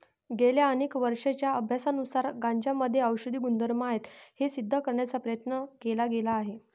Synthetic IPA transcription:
ɡeljaəneːkʋəɾʂet͡ɕjaəbʱjasanusaɾɡãɲd͡ʑaməd̪ʱːjeəwɕud̪ʱiːɡund̪əɾmaet̪hesid̪ʱːəkəɾɳjat͡sapɾəjət̪nəkelaɡelaːɦe

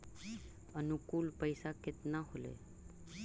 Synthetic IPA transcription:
ənukuːlpəjsakɪt̪naɦolḛ

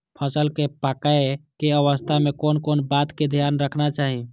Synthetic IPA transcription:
pʰəsəlkepakəekeəʋəst̪ʰamekoːnkonbat̪ked̪ʱjaːnɾəkʰnat͡ʃaːɦi

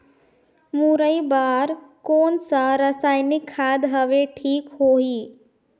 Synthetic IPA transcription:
muɾəibaːɾkoːnsaɾəsaːjnɪkʰːaːd̪ɦəʋeʈʰiːkhoːɦiː

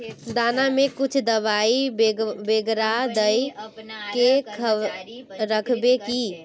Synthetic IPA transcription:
d̪aːnamẽkʊt͡ʃʰd̪əʋaːibeɡɾad̪əjkekʰə | ɾəkʰbeki

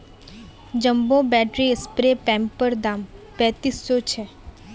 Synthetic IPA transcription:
d͡ʒəmbõbɛːʈɾiɪspɾepɛ̃ːmpəɾd̪aːmpɛ̃ːt̪isːot͡ʃʰe

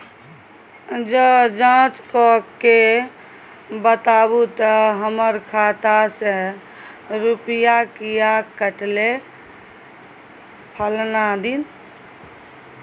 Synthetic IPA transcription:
d͡ʒəd͡ʒãt͡ʃkɔkːe | bət̪abut̪əɦəməɾkʰat̪ase | ɾupijakijakəʈle | pʰəlnad̪in

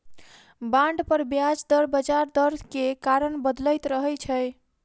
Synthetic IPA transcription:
bãɳɖpəɾbjad͡ʒd̪əɾbəd͡ʒaɾd̪əɾʱkekaɾənbəd̪ləjt̪ɾəɦɛt͡ʃʰəj

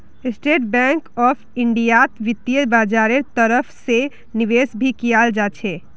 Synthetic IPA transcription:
esʈeʈ̚bɛ̃ŋkɔpʰiɳɖijat̪ʋit̪ːijəbad͡ʒaɾeɾt̪əɾəpʰse | niʋesbʱikijald͡ʒat͡ʃʰɛ

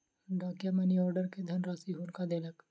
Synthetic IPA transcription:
ɖaːkjamɛniɔːɾɖəɾked̪ʱɐnɾaːsiɦuːnkad̪eːlək

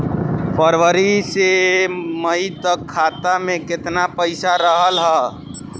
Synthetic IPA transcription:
pʰəɾʋəɾiseməit̪əkʰːaːt̪amẽkɪt̪napəɪsaɾəɦəlɦɛː

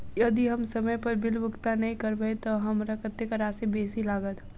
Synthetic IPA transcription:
jɐd̪iɦɐmsɐməjpɐɾbɪlbʊkt̪anɐɦĩkəɾbəet̪oɦɐmɾəkət̪ːekəɾaːsebeːsilaːɡət̪

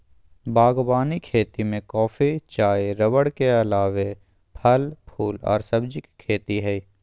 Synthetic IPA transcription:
baːɡbaːnikʰeːt̪imẽkɔːfit͡ʃaːeɾəwəɽkeɐlaːʋe | pʰɐlpʰuːlɔ̰ːɾsɐbd͡ʒɪkkʰːeːt̪iɦɛi

